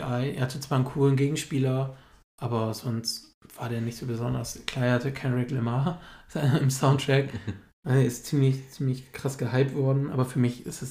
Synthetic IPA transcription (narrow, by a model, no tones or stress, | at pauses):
ʔaɪʔḛːɐhatət͡sv̥aːɐnkʰuːlənɡeːɡŋ̩ʃpiːlɐ | ʔaːbɐzɔnst | v̥aːɐdeːɐnɪçtz̥oːbəzɔndɐskl̥aːɐehatəkʰɛnʁɪklɛmaz̥aɪɪmsaʊntʁ̥ɛk | ʔaɛːɐɪstt͡siːmlɪçt͡siːmlɪçkʁ̥asɡ̥əɦaɪp̚tv̥ɔɐdn̩ʔa̰ːbɐfyːɐmɪçʔɪstɛs